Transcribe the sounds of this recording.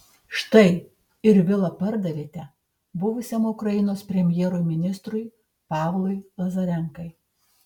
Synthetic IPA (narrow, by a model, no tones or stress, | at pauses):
ʃt̪ɐɪ | ɪɾʋʲɪlˠɐpɐɾd̪ɐʋʲeːt̪ʲɛ | bʊʋʊsʲɛmʊkɾɐjɪnoːspʲɾʲɛmʲjɛːɾʊjmʲɪnʲɪst̪ɾʊɪ | pɑːʋlˠʊɪlˠɐzɐɾʲɛŋkɐɪ